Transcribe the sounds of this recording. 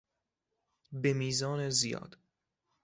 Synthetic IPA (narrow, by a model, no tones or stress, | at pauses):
bemiːzɒːnezijɒ̰ːd̪̥